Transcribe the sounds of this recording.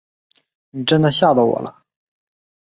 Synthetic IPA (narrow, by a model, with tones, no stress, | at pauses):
ni˨˩ʈ͡ʂə˥nd̪ə˨ɕja˥˩d̪ɑ˥˩ʊwɔ̰˨˩lʔə˦